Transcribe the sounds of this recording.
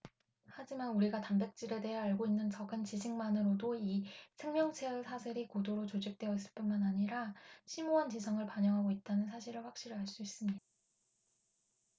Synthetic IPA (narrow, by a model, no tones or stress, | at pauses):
had͡ʑimanuɾiɡatambe̞k̚t͡ɕ͈iɾe̞de̞ɦeaɭɡoinːɯnt͡ɕʌɡɯnt͡ɕid͡ʑʰiŋmanɯɾodoisʰe̞ŋmjʌŋt͡ɕʰeɯsʰasʰeɾikodoɾot͡ɕod͡ʑik̚t͈we̞ʌis͈ɯ̥ɭp͈unmanaɲiɾaɕʰimoɦant͡ɕisʰʌŋɯɭpaɲʌŋɦaɡoit̚t͈anɯnsʰaɕʰiɾɯɭɸwakɕ͈iɾɯɭaɭs͈uis͈ɯmɲidaa